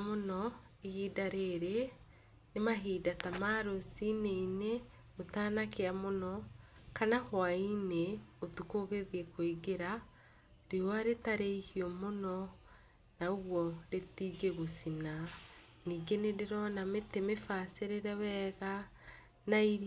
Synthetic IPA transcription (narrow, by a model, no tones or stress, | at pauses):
monɔ | ehidaɾeɾe | nemaɦidatamaɾosineine | otaːnakeamonɔkanahwaineotukoɣeðiekoiɡeɾa | ɾeoaɾetaɾeihiɔmonɔ | naoɣwɔɾetiɡeɣosina | niːɡeneɾeɾɔnametemefaseɾeɾɛwɛɣa | naiɾ